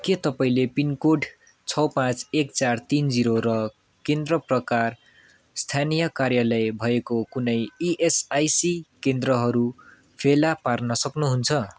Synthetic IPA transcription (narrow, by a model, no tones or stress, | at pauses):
ket̪ʌpaĩlepinkoɖ | t͡sʰʌwpãt͡sekt͡sart̪ind͡ziɾoɾʌ | kend̪rʌprʌkar | st̪ʰanijʌkarjalʌjbʱʌekokunʌjiʔesajsikend̪rʌɦʌɾu | pʰelaparnʌsʌknuɦunt͡sʰʌ